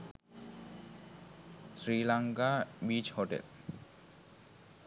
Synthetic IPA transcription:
sɾilaŋkabit͡ɕhoʈḛl

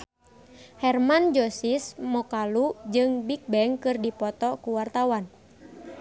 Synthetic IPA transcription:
hɛrmand͡ʒɔsismɔkalud͡ʒɨŋbik̚bɛŋkɨrdipɔt̪ɔkuwart̪awan

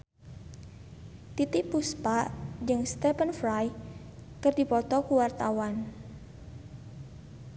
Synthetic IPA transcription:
t̪it̪ɪʔpuspaʔd͡ʒɨŋst̪ɛpənfɾaj | kərdipɔt̪ɔkuwart̪awan

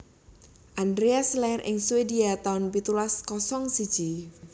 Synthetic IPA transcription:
ʔandɾeaslɛrʔɪ̰ŋsuwediat̪aʊnpit̪ulaskɔsɔŋsid̥ʒ̥i

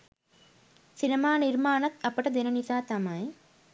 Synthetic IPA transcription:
sinɐmaːniɾmaːnɐt̪ɐpːɐʈɐd̪enɐnisaːt̪ɐmɐj

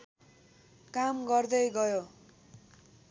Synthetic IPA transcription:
kamɡʌrd̪ʌjɡʌjo

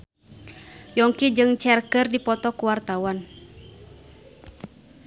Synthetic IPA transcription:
jɔŋkid͡ʒɨŋt͡ʃɛrkərdipɔt̪ɔkuwart̪awan

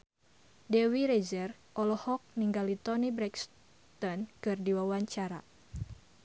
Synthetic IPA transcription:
dɛwiɾɛzɛrʔɔlɔhɔk̚niŋɡalit̪ɔnibɾɛks | t̪ɔnkɨrdiwawaɲt͡ʃaɾa̰

